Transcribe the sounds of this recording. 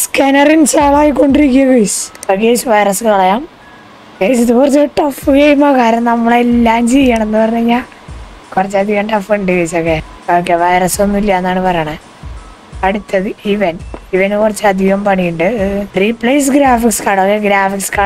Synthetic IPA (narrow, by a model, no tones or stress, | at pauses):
skɐnɐrinsaːɭaːjikːo̞ɳɖiɾikʲːijaɣɐisɐkeːsɨʋɐjrɐsɨkɐɭɐjaːm | kesiðɨkurɐt͡ɕːieʈːɐfɨkɐjumɐkaːɾɐmnɐmːɐɭelːaːmt͡ɕejːaːɳenːɨpɐrɐɲːɐɲaː | kurɐt͡ɕːɐd̪ʱiɣɐɳɖɐfeɳɖɨɣɐjsokːejokːeʋɐjrɐso̞nːilːɐenːaːɳɨpɐrɐjaːɳɨ | ɐɽut̪ːɐðɨiʋɐniʋɐnkurɐt͡ɕːɨɐd̪ʱʋijɐmpɐɳijuɳɖɨripːɭejsɡɾaːfikskɐɽokːeɡɾaːfikskɐ